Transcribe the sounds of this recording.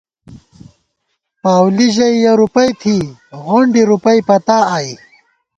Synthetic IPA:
paːwliʑɐjjɐɾupɐjt̪ʰiɣoɳɖiɾupɐjpɐt̪aːi

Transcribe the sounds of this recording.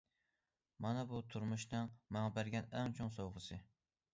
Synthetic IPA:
mɑnɛbut̪ʰuɾmuʃnɨŋmɑŋbæɾɡʲɛnæŋt͡ʃʰoŋsowʁəsɨ

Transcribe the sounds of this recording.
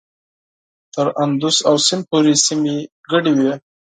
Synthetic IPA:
t̪əɾand̪usawsɪmpoɾesime | ɡəɽiwe

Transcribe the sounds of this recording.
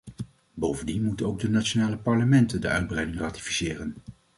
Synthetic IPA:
bowvəndinmutənowɡ̚dənat͡ʃonaːləpɑɹləmɛntəndəʔœɥd̚brɛjdɪŋraːti̥fi̥sɪːrən

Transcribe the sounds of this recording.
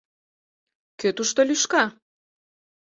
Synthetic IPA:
køt̪uʃt̪olʲyʃkɑ

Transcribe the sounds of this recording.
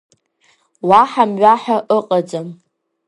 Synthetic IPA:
waħamɥaħaʔəqʼad͡zam

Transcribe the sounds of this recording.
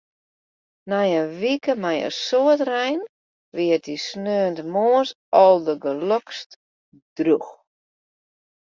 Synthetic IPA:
nɛjəʋikəmɛjə̰soətrɛjn | ʋɪətisnøːəntmoəs | ʔɔlˠdəɡəlɔkst | d̥rux

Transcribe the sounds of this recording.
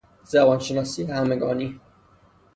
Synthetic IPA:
zæbɒːnʃenɒːsiːhæmeɡɒːni

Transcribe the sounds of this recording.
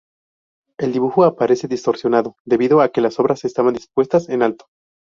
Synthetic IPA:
e̞ld̪iβuxoapaɾe̞se̞ðist̪o̞ɾsjonaðo̞d̪e̞βiðo̞ake̞laso̞βɾase̞st̪aβand̪ispwe̞st̪ase̞nalt̪o̥

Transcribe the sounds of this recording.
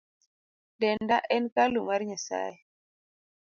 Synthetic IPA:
dɛndaʔɛnkalumaɾɲasa̰jɛ

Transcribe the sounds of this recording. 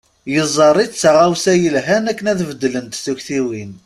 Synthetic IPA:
jəzˤːɑrˤːidt͡sːaʁæwsæjəlɦænækːənæðvəd̪ːlənt̪θuçθiwin

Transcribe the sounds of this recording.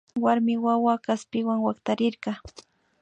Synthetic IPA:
waɾmɪwawakaspɪwaŋwakt̪aɾɪɾɢɑ

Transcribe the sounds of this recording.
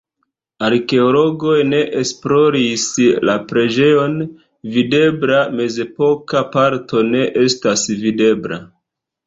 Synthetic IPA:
aɾke̞olo̞ɡo̞jne̞ʔesplo̞ɾislapɾe̞d͡ʒe̞jo̞n | vide̞bɾame̞ze̞po̞kapaɾto̞ne̞ʔe̞stasvide̞bɾa̰

